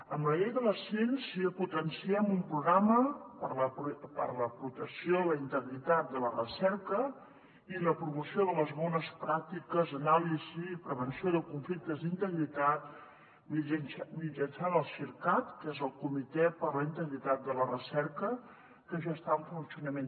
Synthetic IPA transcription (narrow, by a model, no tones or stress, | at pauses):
əmbləʎejðələsɛnsiəput̪ənsiɛmumpɾuɣɾaməpələpə̰ɾləpɾut̪əksioləint̪əɣɾit̪at̪̚d̪ələrəsɛɾkə | iləpɾumusioðələzβɔnəspɾak̚t̪ikəzənalizipɾəβənsioðəkuɱflik̚t̪əzd̪int̪əɣɾit̪at̪̚ | minmid͡ʒənsaðəlˠsiɾkat̪kezəlˠkumit̪ɛpəɾləint̪əɣɾit̪at̪̚d̪ələrəsɛɾkə | kəʒɔst̪aəɱfunsiunəmen